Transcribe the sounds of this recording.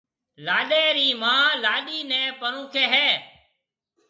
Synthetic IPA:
laːɗeːɾiːmãːlaːɗiːnɛ̃ːpəɾũːkʰeːɦɛː

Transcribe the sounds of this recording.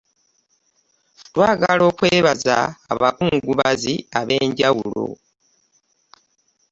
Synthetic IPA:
twaːɡalo̞ːkwe̞ːβaza̰ːβakuŋɡuβaziaβe̞ːɲɟawulo̞̰

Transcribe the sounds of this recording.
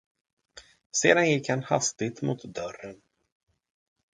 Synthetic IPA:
sḛːd̪anjɪkhanha̰st̪ɪt̪mʊt̪d̪œrən

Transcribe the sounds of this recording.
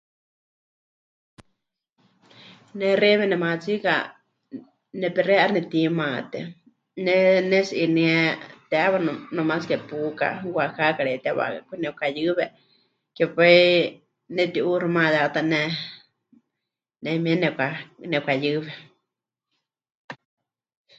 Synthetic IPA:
nɛrɛβɛnɛmat͡sika̰ | nɛpɛrɛʔaɾnɛt̪imãt̪ɛ̰ | nɛnɛsʔiniɛt̪ɛʔaβanomat͡skɛpuka̰wakakaɺɛt̪ɛwa̰akʷinɛkajɨβɛ | kɛpai | nɛt̪iʔurimãt̪ɛat̪anɛ | nɛmiɛnɛkʷanɛkʷajɨβɛ

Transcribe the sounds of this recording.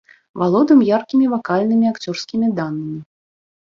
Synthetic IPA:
valˠɔd̪ɨmjarkʲimʲivakalʲnɨmʲiakt͡sʲɔrskʲimʲid̪anːɐmʲi

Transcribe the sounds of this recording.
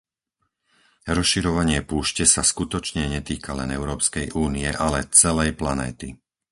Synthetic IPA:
ɾɔsʃiɾɔʋaɲɪɛpuːʃcɛsaskut̪ɔt͡ʃɲɛɲɛt̪iːkʰalɛnɛʊɾɔːpskɛjʔuːniɛʔalɛt͡sɛlɛjplanɛ̰ːt̪i

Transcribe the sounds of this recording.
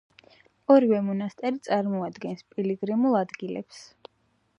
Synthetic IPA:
ɔɾivɛmɔnast̪ʼɛɾit̪sʼaɾmɔad̪ɡɛnspʼiliɡɾimulˠad̪ɡilɛ̰ps

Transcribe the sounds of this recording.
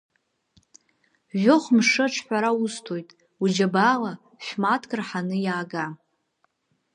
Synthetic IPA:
ʒʷoχmʂɨʈ͡ʂʰħᶣʷaɾaustʰojtʼ | ud͡ʒabala | ʃʷᶣmatʰkʼrħanɨjaːɡa

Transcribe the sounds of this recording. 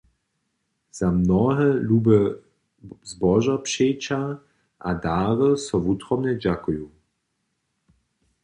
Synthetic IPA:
z̥amnɔɦɛluːbə | zbɔʒapʂeːt͡ʃa | ʔadaːʁəsɔvutʁɔmnɛd͡ʑakujuː

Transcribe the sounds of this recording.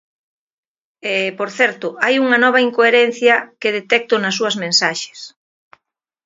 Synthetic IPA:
epoɾθɛɾt̪ʊʔajuŋɐnɔβ̞ɐiŋkoeɾɛn̟θjɐkeðet̪ɛk̚t̪ʊnɐsːuɐzmẽnsaʃe̥s

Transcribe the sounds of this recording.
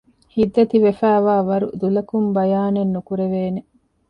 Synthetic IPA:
hid̪ːɐt̪iʋefæːʋaːʋɐɾṵd̪ulɐkumbɐjaːnenːukuɾeʋeːne

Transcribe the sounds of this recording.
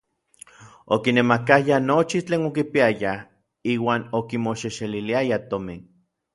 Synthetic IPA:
okinemakajanot͡ʃit͡ɬeːnokipiaja | iːwaːnokimoʃeʃeliliajat̪omin

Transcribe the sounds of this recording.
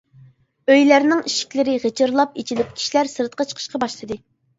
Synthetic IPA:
øjlæɾnɪŋiʃi̥kʲlɪɾɪʁet͡ʃɨɾlˠɑpit͡ʃʰilɪp̚kʲʰi̥ʃilæɾsɨɾt̪qɑt͡ʃʰə̥qʰəʃqɑbɑʃlˠɨd̪ɨ

